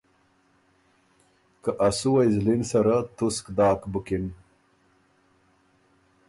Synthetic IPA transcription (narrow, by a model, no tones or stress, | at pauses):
kaʔasuwajzlinsaɾat̪uskd̪aːkbukin